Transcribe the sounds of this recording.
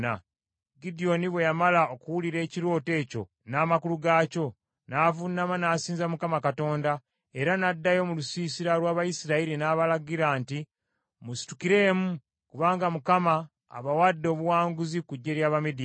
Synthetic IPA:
a̰ | ɡidijo̞niβwe̞jamalao̞kuwuliɾe̞ːciɾo̞ːte̞ːco̞̰ | naːmakuluɡaːco̞ | naːvunːamanaːsiːnzamukamakato̞ːnda | e̞ɾanadːajo̞mulusiːsiɾalwaːβajisiɾaiɾinaːβalaɡiɾaːnti | musi̥tu̥kiɾe̞ːmu | kuβaːŋɡamukama̰ː | βawadːo̞ːβuwaːŋɡuzikuɟːe̞ɾjaːβamidi

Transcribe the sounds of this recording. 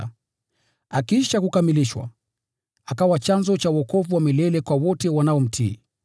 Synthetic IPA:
akiʃakukamiliʃwa̰ | akawat͡ʃanzɔt͡ʃauɔkɔvuwamilɛlɛkwawɔtɛwanaɔm̩tʰḭː

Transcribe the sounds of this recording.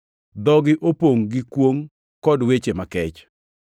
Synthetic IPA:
d̪ɔɡɪʔopoŋɡɪkwoŋ | kɔdwet͡ʃemakɛt͡ʃ

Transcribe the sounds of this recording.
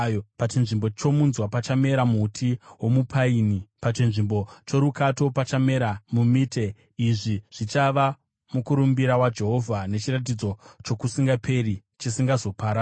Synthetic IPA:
jopat͡ʃinʐimbo̞t͡ʃo̞munzwapat͡ʃame̞ɾamutʰiɦwo̞mupʰainipat͡ʃinʐimbo̞t͡ʃo̞ɾukato̞pat͡ʃame̞ɾamumite̞ | iʐiʐ̥it͡ʃaʋa | mukuɾumbiɾawad͡ʒe̞ɦo̞vʱane̞t͡ʃirat̬id͡zo̞t͡ʃo̞kusiŋɡapʰe̞ri | t͡ʃisiŋɡazo̞paːɾa

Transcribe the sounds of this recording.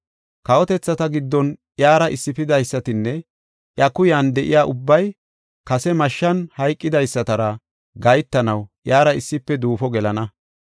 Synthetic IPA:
kɐwɔt̪ɛt͡sːɐt̪ɐɡɪd̪ːɔnʔjaːɾɐʔɪsːɪpɪd̪ɐjsːɐt̪ɪnːɛ | ʔjɐkʊjaːnd̪ɛʔɪ̰jaːʔʊbːɐj | kɐsɛmɐʃːɐnhɐjkʼːɪd̪ɐjsːɐt̪ɐɾɐ | ɡɐjt̪ːɐnɐwʔjaːɾɐɪsːɪpːɛd̪uːfɔɡɛlɐnɐ

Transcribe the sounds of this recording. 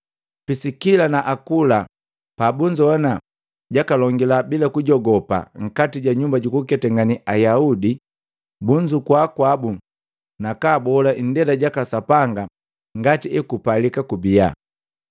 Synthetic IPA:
pisikilanaʔakula | pabuɲd͡ʒuɔna | ɟakalɔŋɡilabilakuɟɔɡɔpa̰ŋ̩katiɟaɲumbaɟukukɛtɛŋɡaniʔajaudi | buɲd͡ʒukwakwabu | nakaːbɔlaʔndɛlaɟakasapaŋɡa | ŋɡatiɛkupalikakubia̰

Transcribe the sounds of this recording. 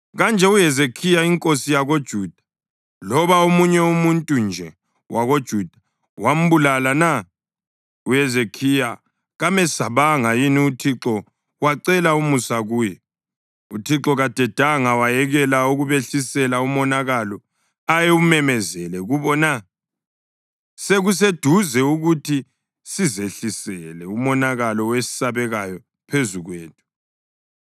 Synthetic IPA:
ɣand͡ʒʱɛujɛzekʰijaiŋkʼosijaɣod̥ʒ̥ʱud̥ʱḁ | lɔβaumuɲɛumuntʼund͡ʒʱɛ | wʔaɣod̥ʒ̥ʱud̥ʱḁ | wam̩bulalana | ujɛzekʰija | ɣamɛsaβaŋajiniutʰiǁɔ | waǀɛlaumusaɣuːjɛ | utʰiǁɔɣad̥ʱɛd̥ʱaŋawajɛɣɛlauɣuβeɬisɛlaumɔnaɣalɔ | ajeumɛmɛzɛlɛɣuβɔna | seɣus̬ed̥ʱuzɛuɣutʰi | sizeɬisɛlɛumɔnaɣalɔwesi̥saβɛɣajɔ | pʰezuɣweːtʰu̥

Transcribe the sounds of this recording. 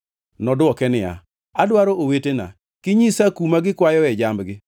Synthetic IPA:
nɔdwɔkɛnɪa̰ | adwaɾoʔowetena̰ | kɪɲisakumaɡɪkwajɔɛd͡ʒambɡɪ

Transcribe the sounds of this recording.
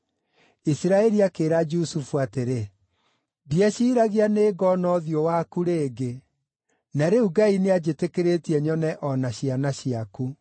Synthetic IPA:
isiɾaɛɾiakeːɾad͡ʒusufuateɾe | diɛɕiːɾaɣianeːɡɔnɔðjɔwakuɾeːɡe | naɾeuɡainead͡ʑetekeɾetiɛɲɔnɛʔɔnaɕianaɕiaku

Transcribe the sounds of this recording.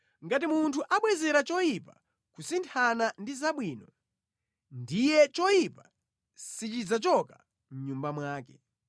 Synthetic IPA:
ŋɡat̬imuntʰuʔaɓwɛzɛɾat͡ʃɔjipa | kusintʰanandizaɓwiːnɔ | ndijɛt͡ʃɔjipa | sit͡ʃid͡zat͡ʃɔka | m̩ɲumbamwaːkɛ̥

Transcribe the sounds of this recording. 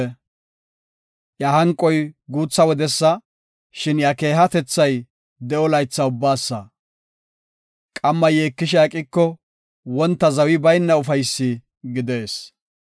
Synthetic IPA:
jahɐŋkʼːɔjɡuːt͡sːɐwɔd̪ɛsːɐ | ʃɪnjake̞ːɦɐt̪ɛt͡sːɐj | d̪ɛʔɔlɐjt͡sːɐʊbːaːsːɐ | kʼɐmːɐjeːkːɪʃ̬ɪaːkʼɪkːɔ | wɔnt̪ːɐzɐwɪbɐjnːɐʊfɐjsːɪ | ɡɪd̪e̞ːs

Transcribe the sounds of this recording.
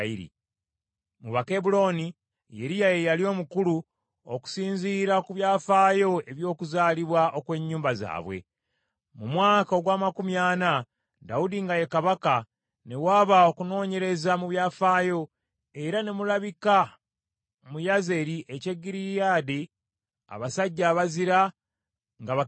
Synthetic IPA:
iɾḭ | muβakebulo̞ni | jeɾijajejalio̞mukulu | oku̥siːɲziɾakuβjaːfaːjo̞e̞βjo̞ːkuzaːliβwaʔo̞kwe̞ɲːuːmbaza̰ːβwe̞̰ | mumwaːkaoɡwaːmakumjaːna | daudiŋɡajekaβaka | ne̞waːβaokuno̞ːɲe̞ɾe̞zamuβjaːfaːjo̞ | e̞ɾane̞mulaβika | mujaze̞ɾiʔece̞ɡiɾijaːde | a̰βasaɟːaːβaziɾa | ŋɡaβa

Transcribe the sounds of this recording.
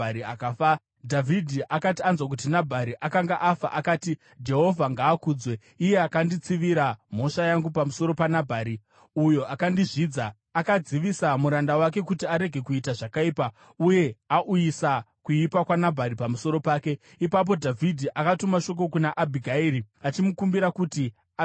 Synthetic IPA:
ɾiakafa | dʱavʱidʱiʔakatianzwak̬utinabʱaɾiʔakaŋɡaʔafa̰ʔakaːti | d͡ʒe̞ɦo̞vʱaŋɡaːkuːd͡zwe̞ | ije̞akandit͡siʋiɾam̤o̞ʂajaŋɡupamuso̞ɾo̞panabʱaɾi | ujo̞ʔakandiʐiːd͡zaː | kad͡ziʋisamuɾandawak̬e̞kutiaɾe̞ɡʱe̞kuitaʐakaiːpa | uje̞aʔujisa | kuipakwanabʱaɾipamuso̞ɾo̞paːke̞ | ipap̬o̞dʱavʱidʱiʔakatumaʃo̞k̬o̞k̬unaʔabʱiɡʱaiɾi | at͡ʃimukumbiɾakuti

